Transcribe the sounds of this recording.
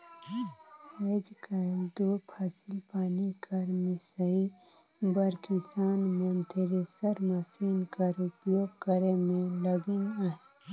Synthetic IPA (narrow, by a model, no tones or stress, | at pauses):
eːd͡ʒkɐd̪oːpʰaːsɪlpaːnikɐɾmɪsəi | bəɾkɪsaːnmənt̪ɪɾesəɾməsiːnkɐɾʊpjoːɡkəɾemẽləɡɪnaːe